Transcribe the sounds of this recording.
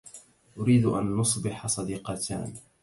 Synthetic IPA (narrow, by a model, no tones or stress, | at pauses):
ʔʊɾiːd̪ʔa̰nːʊsˤbɪħasˤɑd̪iːqɑt̪ʰa̰ːn